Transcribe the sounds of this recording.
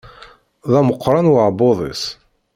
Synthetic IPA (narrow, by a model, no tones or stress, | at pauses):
ðˤɑməqʰːɾˤɑnwəʕboðˤḭs